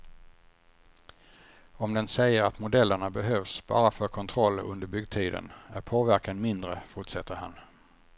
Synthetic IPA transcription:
ɔmd̪ɛnsɛjːəɾat̪mʊd̪ɛlːəɳabɛɦøːvsb̥ɑ̰ːɾafœɾkʰɔnt̪ʰɾɔlːɵ̰nd̪əɾbʏɡ̚d̪̚t̪ʰiːd̪ə̰næɾpʰoːvæɾkanmɪnd̪ɾəfʊʈʂɛt̪ːəɾha̰n

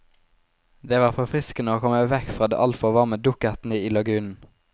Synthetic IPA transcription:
d̪eːʋɑːʁfɔʁfʁɪskənəoːkʰɔməʋɛkfʁɑːd̪ḛːʔɑlfɔʋɑːʁməd̪ʊkət̪n̩əiːlɑɡʉːnn̩

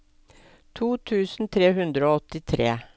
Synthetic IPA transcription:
t̪ʰuːt̪ʰʉːsn̩t̪ʰɾeːhʉnd̪ɾəoːɔt̪ɪt̪ʰɾḛː

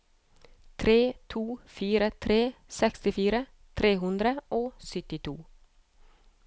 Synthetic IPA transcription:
t̪ʰɾeːt̪ʰuːfiːɾət̪ʰɾeːsɛkst̪ɪfiːɾə | t̪ʰɾeːhʉnd̪ɾəʔoːsʏt̪ɪt̪ʰṵː

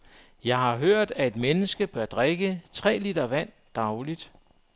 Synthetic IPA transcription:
jɑ̈ɪɦɑ̈ɦøɐ̰d̥æe̝d̥menəsɡ̥əb̥ɶɐd̥ʁeɡ̥ət͡sʰʁɛ̰ːlid̥ɐʋæn̰ | d̥ɑ̈ʊlid̥

